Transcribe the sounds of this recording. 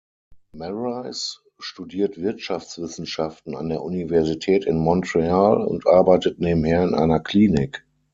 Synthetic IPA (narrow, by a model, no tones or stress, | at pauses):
mɛʁaɪs | ʃtudiːɐtv̥ɪɐtʃaft͡sv̥ɪsn̩ʃaftn̩a̰ndeːɐʔunivɛɐzitʰɛːtɪnmɔntʁealʊ̰̃ntʔaɐbaɪtətneːbm̩heːɐɪnʔa̰ɪnɐkʰl̥iːnɪk